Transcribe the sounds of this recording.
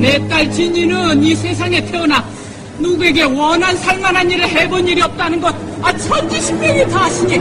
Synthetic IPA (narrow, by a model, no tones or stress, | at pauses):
net͈aɭt͡ɕiɲinɯnisʰe̞sʰaŋe̞tʰeʌna | nuɡe̞ɡe̞wʌnɦansʰaɭmanɦaɲiɾeɦeboniɾiʌp̚t͈anɯnɡʌd̚ | at͡ɕʰimanteɕʰinteɡetaɕʰiɲi